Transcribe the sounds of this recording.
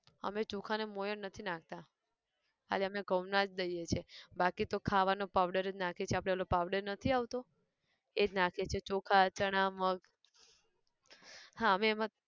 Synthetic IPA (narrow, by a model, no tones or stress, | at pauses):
ə̰met͡ʃukʰanemojəɳnət̪ʰinãk̚t̪a | ka̰leəmeɡʱəʋnad͡ʒd̪əijet͡ʃʰebakit̪okʰaʋanopaʋɖəɾed͡ʒnakʰet͡ʃʰeapɽelopaʋɖəɾnət̪ʰiaʋt̪o | ed͡ʒnakʰet͡ʃʰet͡ʃokʰat͡ʃəɽ̃aməɡ | hãəmeːmã